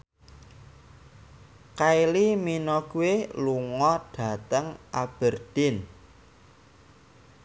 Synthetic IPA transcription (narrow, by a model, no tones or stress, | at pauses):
kailiminɔɡ̥uweluŋɔɖ̥ä̤t̪əŋʔab̥ərd̪̥ɪn